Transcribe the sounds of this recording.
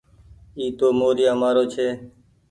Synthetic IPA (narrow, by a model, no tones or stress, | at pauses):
iːt̪oːmoːɾɪjaːmaːɾoːt͡ʃʰeː